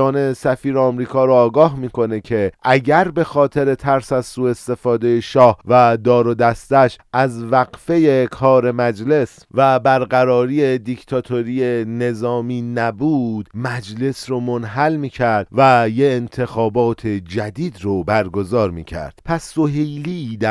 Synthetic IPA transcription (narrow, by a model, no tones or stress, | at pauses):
ɒːnesæfiːɾeɒːmɾiːkʰɒːɾoːɡɒːɦmiːkʰo̞ne̞cʰe̞ʔæɟæɾbe̞xɒːt̪ʰe̞ɾe̞t̪ʰæɾsæzsuːe̞st̪e̞fɒːd̪e̞jeʃɒːhvæd̪ɒːɾod̪æst̪æʃʔæzvæɣfe̞je̞kʰɒːɾe̞mæd͡ʒle̞s | væbæɾɢæɾɒːɾiːed̪icʰt̪ʰɒːt̪ʰo̞ɾije̞ne̞zɒːmiːnæbuːd̪̥mæd͡ʒle̞sɾomonɦælmiːcʰæɾd̪̥væjeːnt̪ʰe̞xɒːbɒːt̪ʰe̞d͡ʒæd̪iːd̪ɾobæɾɡo̞zɒːɾmḭːcʰæ̰ɾd̪̥pʰæsːo̞ɦejliːd̪æ